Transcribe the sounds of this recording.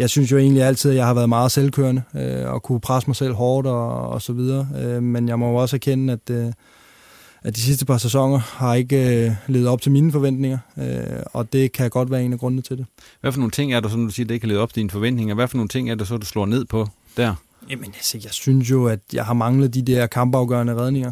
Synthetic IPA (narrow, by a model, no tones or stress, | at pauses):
jɑ̈ɪsynsjo̝e̝̰ːnliæl̰t͡sʰið̰ˠjɑ̈ɪhɑ̈ʋæːɐðˠmɑ̈ːð̞̩ˠselkʰø̰ːɐnəøɒ̽kʰupʰʁasəmɑ̈ɪsel̰ɦɒːd̥ɒ̰̽ːsɒ̽ʋið̞ˠɐːømenjɑ̈ɪmɒ̽joɒ̽sæɐkʰenəæd̥ | æd̥is̬is̬d̥əpʰɑ̈ses̬ɒ̽ŋ̰ɐhɑ̈e̝ɡ̥əle̝ːʊð̩ˠɒ̽b̥̚t͡sʰe̝lmiːnəfɒ̽ʋen̰d̥ne̝ŋɐøɒ̽d̥e̝kʰæjaɡ̥ɒ̽d̥ʋæːɐe̝ːnæɡ̥ʁɔ̽nð̩t͡sʰed̥e̝ | ʋæfɔno̝ːn̩t͡sʰe̝ŋ̰æɐd̥usɒ̽nd̥usiːɐd̥ueɡkʰːæle̝ːð̩ˠb̥t͡sʰe̝d̥infɒ̽ʋen̰d̥ne̝ŋɐʋæfɔno̝ːn̩t͡sʰe̝ŋ̰æɐd̥esɒ̽d̥uslɔ̰ːne̝ð̞̰ˠpʰɒ̽ | d̥æɐ̰ | jæmənse̥jɑ̈ɪsyns̬jo̝æd̥jɑ̈ɪɦɑ̈mɑ̈ŋləð̞̩ˠd̥id̥ɛɐ̰kʰɑ̈mb̥ɑ̈ʊɡ̥œ̰ɐnəʁɛð̞ˠne̝ŋɐ